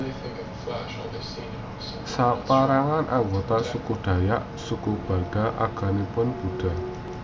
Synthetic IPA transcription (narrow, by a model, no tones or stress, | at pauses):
sapaɾaŋanʔaŋɡot̪asukuɖ̥ä̤jaʔ | sukub̥a̤d̥a̤ʔa̰ɡ̥a̤nipʊnb̥ṳɖ̥a̤